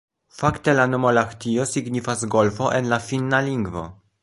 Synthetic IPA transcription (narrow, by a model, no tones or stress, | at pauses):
fakt̪elanomolaxt̪iosiɡɲifazɡolfoʔenlafinːaliŋɡvo̰